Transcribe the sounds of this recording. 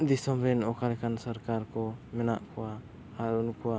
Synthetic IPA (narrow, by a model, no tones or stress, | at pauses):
d̪isɔmɾɛnɔkʰalɛkʰansɔɾkaɾkɔmɛna̰ʔkʰɔwa | aɾunkʰuwa